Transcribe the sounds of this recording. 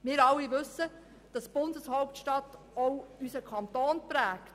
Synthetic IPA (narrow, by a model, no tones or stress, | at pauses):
mɪːɾɑlːiʋɵsə | d̥ɑsb̥ʊndəshɔwp̚tʃtɑt | ɔʊysəkʰɑnt̪oːnpɾæːkt